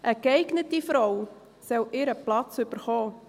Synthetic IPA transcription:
ʔəkɛɪɡnətifɾɔw | sɛlʔɪɾəplɑt͡sʏb̥əɾχɔː

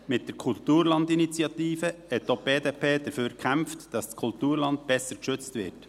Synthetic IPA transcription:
mɪt̚d̥əɾkʰʊltuːɾlɑndinit͡sjɑt̪iːfəhɛtːob̥eːdeːpʰeːd̥əɾføːɾkʰæmftd̥ɑsskʰʊltuːɾlɑntb̥ɛsəɾkʃʏt͡stvɪ̰ːɾt

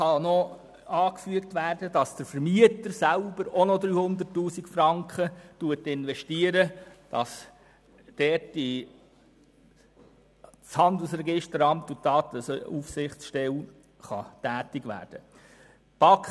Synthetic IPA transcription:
ɑnɔ | ɑːkfyəktʋæːrdədɑsd̥əɾfəɾmiətəɾsælbəɾɔnɔd̪ɾyːhʊnd̪ərtːuːsikfɾɑŋkχətuətɪnʋɛʃtiəɾəd̥ɑs | d̥ɛti | t͡shɑndəl̩sɾɛɡɪʃtəɾɑmtudɑːt̪əsufsɪχt͡sʃtɛl | χɑ̰tæːtɪɡʋæ̰ːrd̥ə | pɑk

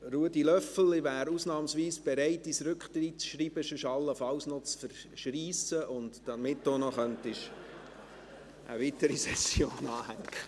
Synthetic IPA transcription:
ruədilœfl̩ɪvæːɾusnɑːmsʋiːsb̥ɛɾæɪtisɾʏkχtɾit̚sʃɾiːb̥əʃʏʃɑlːəfɑwsnɔt͡sfəɾ | ʃriːsəʔʊndd̥ɑmɪtːoːnɔχœntɪʃ | ʔə̰vitəɾisɛsjoːnɑːhæŋkʰə

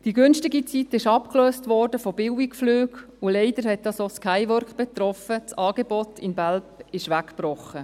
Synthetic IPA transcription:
d̥iɡʏnʃtɪɡit͡sitɪʃɑpkløːstʋɔːɾdəfɔb̥ɪwɪkflyːɡ | ʊlɛɪd̥əɾhɛt̚dɑsoskʰaɪʋœɾkb̥ɛtɾɔfət͡sɑːɡ̥ebɔtʰɪnbælpɪʃʋækb̥rɔχːə

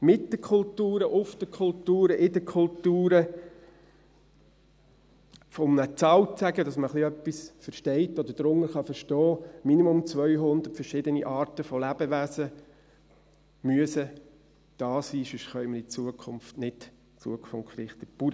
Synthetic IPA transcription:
mɪt̚d̥əkʰʊltuːɾəʔʊfd̥əkʰʊltuːɾəʔɪdəkʰʊltuːɾə | fɔmnət͡sɑːwt͡sæɡədɑsməχliœpːisfəɾʃtɛɪtɔd̪əd̥ɾʊŋːəχɑfəɾʃtɔːminimʊmt͡sʋœʏɦʊnd̪əɾtfəɾʃɪd̪əniʔɑːɾtəfɔlæb̥əʋæsə | myəsə | d̪̥ɑːsiːʃyʃχœʏməɾɪt͡suːəkʰʊmftnɪt | t͡sṵəkfɔnɾɪχt̪əpuɾ

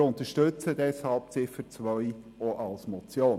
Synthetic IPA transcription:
ʊnt̪əʃtʏt͡səd̥ɛshɑlp̚t͡sɪfət͡sʋœj | oʔɑlsmɔt͡sjoː

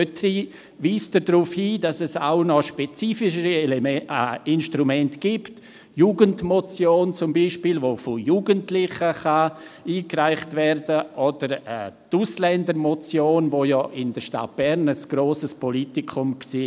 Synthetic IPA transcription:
øtɾi | viːsd̥ədɾuːfhiːdɑsɛsa̰ʊnɔʃpɛt͡siːfɪʃ̬əɾi | ɪnʃtɾumɛntɡ̥iːpt | juːɡəntmɔt͡sjoːnt͡sʊmbiːʃpilvofojuːɡəntlɪχəχaiːkraɪχtvɛrdəʔɔd̥əɾɛ̰tuslɛndəɾmɔt͡sjoːnvojɔʔɪndəɾʃta̰t̚b̥ɛɾnəsɡ̥ɾoːsəspɔlitikʰʊmksiː

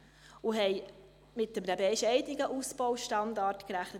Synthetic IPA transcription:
ʊɦɛɪ | mɪtdəmnəbɛʃɛɪdniɡəʔusb̥ɔʊʃtɑndɑːrtkɾæχnə

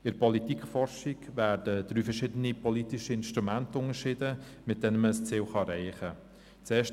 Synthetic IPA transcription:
ɪɾpɔlitikχfɔɾʃiɡvæːɾdəd̥ɾyːfəɾʃɪdənipɔlitɪʃəɪnʃtʁumæntəʊŋəʃɪdə | mɪt̚d̥ɛnəməəst͡siːlχɑɾɛɪχə | t͡sɛːʃ

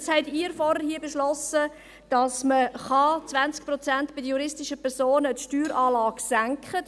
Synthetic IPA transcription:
shɛtiːɾfɔɾəhiəbeʃlɔsə | d̥ɑsməχɑt͡svænt͡sk̚pɾɔt͡sæntb̥ɪdəjuɾɪstɪʃəpʰɛɾsoːnətʃtyːɾɑːlɑːɡ̥sæŋkχə

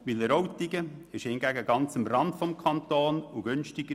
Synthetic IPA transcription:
ʋɪləɾɔwt̪iɡəɪʃhɪnɡæɡəɡɑnt͡səmrɑntfɔmkʰɑnt̪oːnuɡ̥ʏnʃtɪɡ̥ə

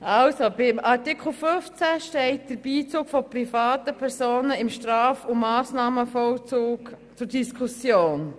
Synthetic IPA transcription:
ɑlsobɪmʔɑɾtikʰl̩fʏft͡sæʃtɛɪt̚d̥əɾb̥iːt͡suːkfɔpɾifɑːtəpʰɛɾsoːnəɪmʃtrɑːfʊmɑːsnɑːməfɔlt͡suːk | t͡sʊɾdiskʰusjoːn

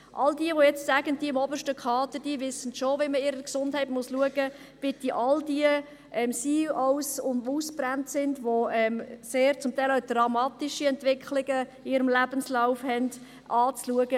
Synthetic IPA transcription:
ʔɑ̰ldiəʋojɛt͡stsæɡənd̥iəɪmɔbəʃtəkʰɑːtəd̥iəʋɪsənʃoʋiməɪɾəksʊnd̥hæɪtmʊsluəɡ̥ə | b̥ɪtiʔɑldiə | ʔɛmsiːɔwsʊnduːsb̥ɾæntsɪndʋoɛmseːɾt͡sʊmtæɪlaʊdrɑmɑːt̪iʃiɛntvɪkχlɪɡ̥əɪːɾəmlæb̥ənslaʊfhɛnd̥ | ʔɑːt͡sluəɡə

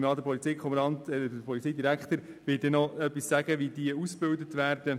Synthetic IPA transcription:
mɑːd̪əpʰɔlit͡siːkχɔməɾɑntɛdəpʰɔlit͡siːdiɾækt̪əɾ | ʋɪdɛnɔœpːisːæɡəʋidiəusb̥ɪldət̪ʋæːɾd̥ə

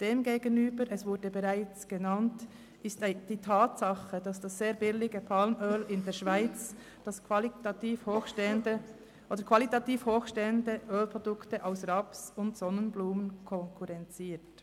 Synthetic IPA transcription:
d̥eːmɡeːɡənyːbəɾɛsvʊɾdəbɛʁaɪt͡sɡ̥enɑnt | ʔɪstd̥iːtʰaːtsɑχəd̥ɑsd̥asːeːɐbɪlɪɡəpʰɑlmøːlɪndeːɐʃv̥aɪt͡s | d̥ɑskltɑtiːfondə | ʔodəkʰvɑlitɑtiːfhoːxʃtɛəndəʔøːlpʁɔdʊktəʔaʊsʁɑpsʊntsɔnənbluːmənkʰɔŋkʰuʁɛnt͡siːt

